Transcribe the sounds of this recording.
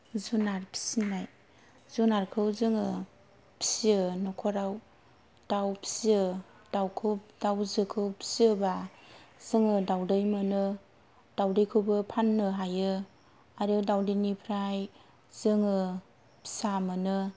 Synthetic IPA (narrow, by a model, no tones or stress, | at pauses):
zunaɾpʰi̥sinaj | zunaɾkʰɯwzɯŋɯ | pʰi̥siɯnɔkʰɔɾaw | d̥awpʰi̥siɯ | d̥awkʰɯwp̚d̥awzɯkʰɯwpʰi̥siɯba | z̥ɯŋɯdawdɯjmɯnɯ | d̥awdɯjkʰɯwbɯpʰanːɯɦajɯ | aɾiɯdawdinipʰɾaj | zɯŋɯ | pʰi̥samɯnɯ